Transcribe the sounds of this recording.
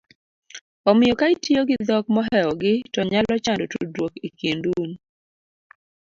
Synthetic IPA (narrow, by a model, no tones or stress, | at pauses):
ɔmɪjɔkaitijoɡɪd̪ɔk̚mɔɦɛɔɡɪtɔɲalɔt͡ʃandotudwokekendum